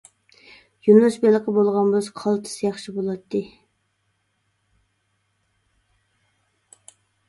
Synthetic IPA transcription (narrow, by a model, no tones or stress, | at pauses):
jynlˠuʃbelˠəqʰəbolˠʁɑnbʊzqʰɑlˠt̪ʰɨ̥sjɑχʃibolˠɑt̪ʰːɨ